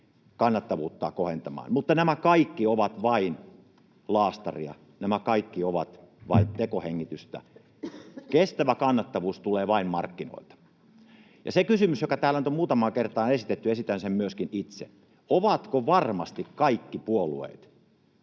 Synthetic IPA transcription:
kɑnːɑt̪ːɑʋuːt̪ːɑ̰ːkohent̪ɑmɑ̰ːnmut̪ːɑnæmækɑikːioʋɑt̪ʋɑin | lɑːst̪ɑ̰riɑ̰ | næmækɑikːioʋɑt̪ʋɑ̰int̪ekoheŋːit̪yst̪æ̰ | kest̪æʋækɑnːɑt̪ːɑʋuːst̪uleːʋɑimmɑ̰rkːino̰ilt̪ɑ̥ | jɑ̰sekysymysjokɑt̪æːlænyt̪omuːt̪ɑmɑːkert̪ɑːnesit̪et̪ːyesit̪ːænsemmyøskinit̪sḛ | oʋɑt̪koʋɑrmɑst̪ikkɑikːipuolṵḛːˑt̪

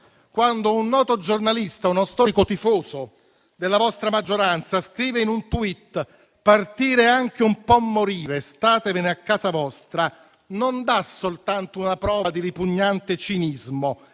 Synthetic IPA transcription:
kwand̪ounːɔːt̪od͡ʒornalist̪aunost̪ɔːɾikot̪ifoːzo | d̪elːavɔst̪ɾamad͡ʒːoɾant̪saskɾiːveinunt̪uit̪ː | part̪iːɾeaŋk̟eumpɔmːoɾiːɾest̪aːt̪evɪneakːaːzavɔst̪ɾa | nond̪asolt̪ant̪ounapɾɔːvad̪iɾipuɲːant̪et͡ʃinizmo

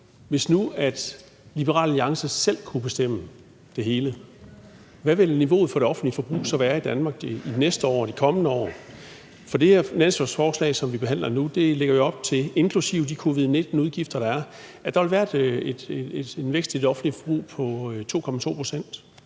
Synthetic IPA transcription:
ʋe̝snuæd̥ | lib̥əʁɑ̰̈ːlliɑ̈ŋsəsel̰kʰub̥e̝sd̥em̰ə | d̥e̝ɦe̝ːlə | ʋæʋe̝lniʋo̝̰ːð̩ˠfɒ̽ɾ̥e̝ɒ̽fn̩dlifɒ̽b̥ʁṵːsɒ̽ʋæːɐid̥ænmɑ̈ːɡ̥inesd̥əɒ̰ːd̥ikʰɒ̽mənəɒ̰ː | fɒ̽d̥e̝heɐ̰nænsæsfɒːslɛ̰ɪsɒ̽mʋib̥e̝ɦæn̰lɐnud̥e̝le̝ɡ̥ɐjo̝ɒ̽b̥̚t͡sʰe̝e̝nkʰlusiʊd̥ikʰo̝ʋið̞̩ˠne̝d̥n̩uðˠɡ̥ifd̥ɐɾ̥ɑ̈æɐ | æd̥ɑ̈ʋelʋæːɐd̥ed̥e̥enʋeɡ̥sd̥ʰiedɒ̽fn̩dlifɒ̽b̥ʁṵːpʰɒ̽t͡sʰo̝̰ːkʰɒ̽mæt͡sʰo̝̰ːpʰʁo̝̥sen̰d̥

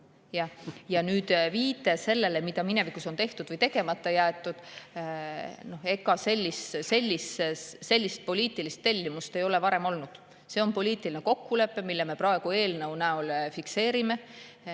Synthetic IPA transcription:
jɑjɑnyːd̪̥viːt̪ːˑese̞lːelemid̪̥ɑmine̞vikuso̞nt̪e̞ht̪ud̪̥vɨjt̪e̞ɡe̞mɑt̪ˑːɑjæːt̪ːˑud̪̥ | no̞he̞kːɑse̞lʲːisse̞lʲːisse̞lʲːist̪̚po̞lʲiːt̪ːˑilist̪ːe̞lʲːimust̪e̞jo̞levɑɾe̞mo̞lnud̪̥ | se̞o̞npo̞lʲiːt̪ːˑilineko̞kːule̞pːemilːɛme̞prɑeɡ̥ue̞ːlnəwnæolfikse̞ːɾime̞

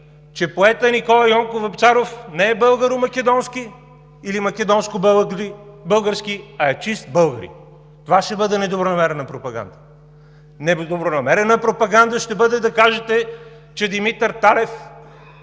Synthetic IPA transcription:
t͡ʃɛpoɛt̪ənikɔlˠɐjɔŋkovɛpt̪saɾofnɛːbɤlˠɡəɾʊmɐkɛd̪ɔnskiː | ilimɐkɛd̪ɔnskobˠibɤlˠɡəɾskiɐɛt͡ʃist̪̚bɤlˠɡəɾḭ | t̪ovaʃt̪ɛbɤd̪ɛnɛd̪obɾonɐmɛɾɛnəpɾopɐɡa̰nd̪ə | nɛd̪obɾonɐmɛɾɛnəpɾopɐɡand̪əʃt̪ɛbɤd̪ɛd̪ɐkaʒɛt̪ɛ | t͡ʃɛd̪imit̪ɛɾt̪alɛf

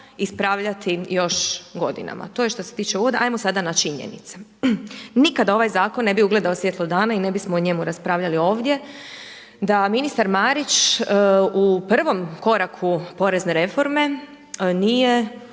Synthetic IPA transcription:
ispɾaːʋʎat̪ijo̞ʃɡo̞d̪ḭna̰ma̰t̪o̞ːjeʃt̪o̞set̪iːt͡ʃeuʋod̪aʔajmosad̪anat͡ʃiɲḛnḭt̪se̥ | nikad̪ao̞ʋajzaːkonːe̞biuɡle̞d̪aosʋjet̪lod̪aːnaine̞bismoːɲe̞muɾaspɾaːʋʎalio̞ːʋd̪je̞ | d̪aminist̪aɾmaɾit͡ʃ | upr̩ʋo̞mko̞ɾakʰupo̞ɾe̞zneɾe̞fo̞ɾme̞ | nije

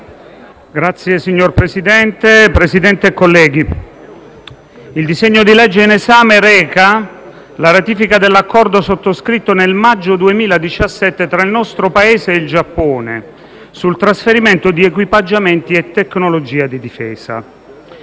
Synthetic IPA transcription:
ɡɾat̪sːjesiɲːorpɾesid̪ɛnt̪epɾesid̪ɛnt̪eːkːolːɛːɡi | ild̪iseɲːod̪ilɛd͡ʒːeinezaːmeɾɛːka | laɾat̪iːfikad̪elːakːɔrd̪osot̪ːoskɾit̪ːonelmad͡ʒːod̪uemiːlad̪it͡ʃasːɛt̪ːet̪ɾailnɔst̪ɾopaeːzeild͡ʒapːoːnḛ | sult̪ɾasfeɾiment̪od̪iekwipad͡ʒːament̪iet̪ːeknolod͡ʒiːad̪id̪ifɛːz̥a̰

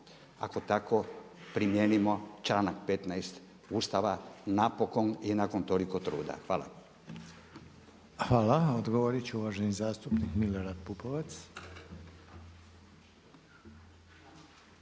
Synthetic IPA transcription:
a̰ko̞t̪ako̞ | pɾimjeːnimo̞t͡ʃlaːnakpet̪najst̪ | uːst̪aʋanapo̞ko̞ninako̞nt̪oliko̞t̪ɾṵːd̪a̰xʋaːla̰ | xʋaːlaod̪ɡoʋoɾit͡ɕeuʋaʒenizaːst̪upnikmiloɾad̪̚pupoʋat̪s

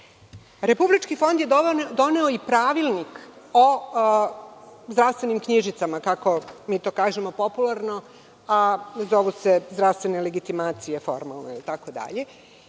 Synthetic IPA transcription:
ɾe̞publit͡ʃkifo̞nd̪jed̪o̞ne̞oipɾaːʋilˠnik | o | zd̪ɾaʋst̪ʋe̞nimkɲiʒit̪samakako̞miːt̪oːkaːʒe̞mo̞populˠaɾno̞ | azo̞ʋusezd̪ɾaʋst̪ʋe̞ne̞le̞ɡit̪imaːt̪sije̞fo̰ɾma̰lno̰ilt̪akod̪a̰ʎe

